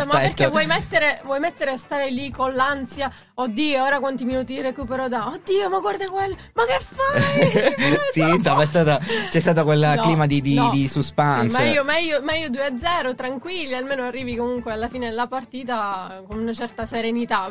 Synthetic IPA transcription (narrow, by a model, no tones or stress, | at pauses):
somːaɛperk̪ːevɔjmɛt̪ːeɾevwɔjmɛt̪ːeɾeast̪aːɾelikolːansja | od̪ːiːooːɾakwant̪iminuːt̪irekuːpeɾod̪aod̪ːiːomaɡward̪akwelː | makːefːaj | siːnsomːaɛst̪aːt̪at͡ʃɛst̪aːt̪okwelnkliːmad̪id̪id̪isuspansmaiːomaijːomaiːod̪uead̪zɛːɾot̪ɾaŋkwilːialmeːnoarːiːvikomuŋkwealːafiːned̪lapart̪iːt̪akonunat͡ʃɛrt̪aseɾenit̪a